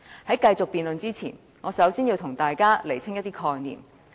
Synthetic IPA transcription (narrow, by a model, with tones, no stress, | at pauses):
hɐ˨˥jkɐ˧jt͡sʊ˨k̚piː˨nlɵ˨nt͡siː˥t͡sʰḭː˨˩n | ŋɔː˨˧sɐ˨˥wsiː˥nji˧wt̪ʰʊ˨˩ŋt̪aː˨jkaː˥le˨˩jt͡sʰɪ˥ŋjɐt̪̚iː˥kʰɔː˧ŋnḭː˨˩m